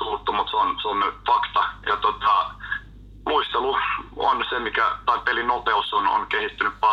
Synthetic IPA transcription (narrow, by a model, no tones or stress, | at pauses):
ut̪ːumut̪seonseonfɑkt̪ɑjɑt̪ot̪ɑ | luist̪eluo̰nsemikæt̪ɑipelinopeusono̰nkehit̪ːynyppɑ